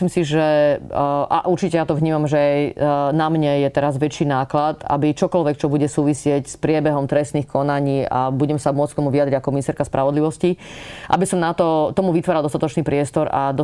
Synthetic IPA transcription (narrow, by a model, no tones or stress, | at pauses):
limsiʒɛ | ʔa̰ʔuɾt͡ʃicɛjat̪ɔʋɲiːmamʒɛajnamɲɛjɛt̪ɛɾazʋɛt͡ʃiːnaːklat̪a̰bit͡ʃɔkɔlʋɛk̚t͡ʃɔbuɟɛsuːʋisɪɛcspɾɪɛbɛɦɔmt̪ɾɛst̪niːxkʰɔnaɲiːa̰buɟɛmsamʊɔt͡sk̚t̪ɔmuʋiad̪ɾiɟakɔminist̪ɛɾkaspɾʔaʋɔd̪liʋɔsciʔa̰bisɔmnat̪ɔt̪ɔmuʋit̪ʋaɾald̪ɔst̪at̪ɔt͡ʃniːpɾɪɛst̪ɔɾa̰d̪ɔ